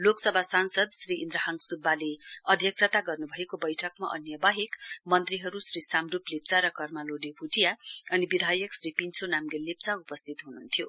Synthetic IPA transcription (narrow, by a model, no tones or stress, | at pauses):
loksʌbʱasansʌd̪sriind̪ɾʌɦʌŋɡsubːaleʌd̪ʱjʌk̚sʰʌt̪aɡʌrnubʱʌekobʌjʈʰʌkma̰ʔʌ̰njʌbaɦikmʌnt̪riɦʌɾusrisamruplep̚t͡saɾʌkʌrmaloɖebʱuʈijaʌnibid̪ʱajʌksripint͡sʰonamɡelep̚t͡saupʌst̪ʰit̪ɦununt̪ʰijo